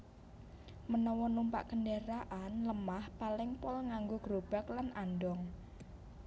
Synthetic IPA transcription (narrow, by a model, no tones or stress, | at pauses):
mənɔwɔnumpa̰ʔkənɖeɾaʔanləmahpalɪŋpɔlŋaŋɡoɡ̥ɾob̥a̤klanʔanɖɔŋ